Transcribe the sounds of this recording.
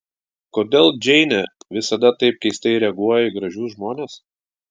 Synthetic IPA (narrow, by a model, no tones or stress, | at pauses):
koːd̪ʲeːlˠd͡ʒʲɛɪnʲɛʋʲɪsɐd̪ɐt̪ɐɪp̚kɐɪsʲt̪ʲɛɪɾʲɛɐɡuɔjɛɡɾɐʒʲuːʒmoːnʲeːs